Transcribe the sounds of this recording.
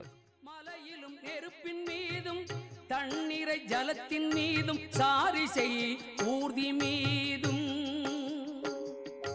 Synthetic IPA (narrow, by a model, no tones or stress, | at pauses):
mɐlɐjɪlɯmɛɾɯpːɪnmiːðɯmt̪ɐɳːɪɾɐɪd͡ʒɐlɐt̪ːɪnmiːðɯmsaːɾisɛjuːɾðimiːðɯm